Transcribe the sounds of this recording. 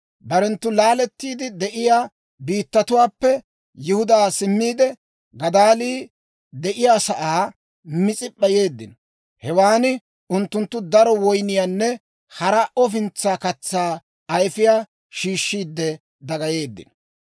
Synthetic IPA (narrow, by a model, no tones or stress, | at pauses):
bɐɾɛnt̪ːʊlaːlɛt̪ːiːd̪ɪd̪ɛʔɪjaː | biːt̪ːɐt̪ʊwaːpːɛ | jɪhʊd̪aːsɪmːiːd̪ɛ | ɡɐd̪aːliː | d̪ɛʔɪjaːsɐʔaː | mɪt͡sʼɪpʼːɐje̞ːd̪ːɪ̰n | hɛwaːnɪ | ʊnt̪ːʊnt̪ːʊd̪ɐɾɔwɔjnɪjaːnːɛ | hɐɾaʔɔfɪnt͡sːaːkɐt͡sːaː | ɐjfɪjaː | ʃiːʃːiːd̪ːɛ | d̪ɐɡɐje̞ːd̪ːɪ̰n